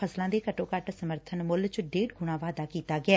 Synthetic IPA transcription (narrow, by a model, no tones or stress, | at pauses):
əslãːd̪eːkəʈõːkəʈsəməɾt̪ʰənmʊlt͡ʃɖeːɖɡʊɽ̃ãːʋaːd̪aːkiːt̪aːɡɪɛː